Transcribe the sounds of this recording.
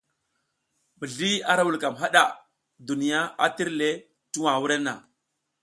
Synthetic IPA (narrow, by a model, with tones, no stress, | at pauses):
mə˨ɮi˦a˦ɾa˦wu˨lka˨mɦa˦ɗa˨ | du˨ni˨ja˦a̰˦ti˦ɾle˦ | ti˦wa˨wu˦ɾe˦na̰˨